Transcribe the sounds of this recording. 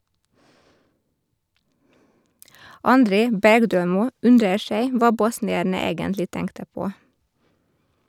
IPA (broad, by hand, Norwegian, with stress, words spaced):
ɑnˈdɾeː ˈbæɾɡˌdøːˌmuː ˈʉndɾəɾ ˈʃæɪ ˈʋɑː ˈbɔsnɪæɾnə ˈeːɡəntlɪ ˈtɛŋktə ˈpoː